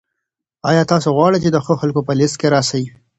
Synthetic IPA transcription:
ɑjɑt̪ɑsoɣwɑɽejt͡ʃed̪əxoxalkopəlɪst̪̚keɾɑsawi

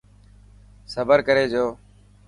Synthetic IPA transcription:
səbəɾkəɾeːd͡ʒoː

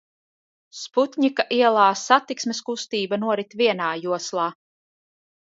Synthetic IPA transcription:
sput̪ʲɲikaʔiɛlˠaːsat̪iksmeskust̪iːbanuɔɾit̪vʲiɛnaːjuɔslˠaː

